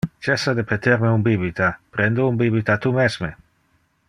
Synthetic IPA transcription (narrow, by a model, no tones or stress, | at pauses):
t͡ʃesːad̪epet̪eɾmeumbibit̪apɾend̪oumbibit̪at̪umezme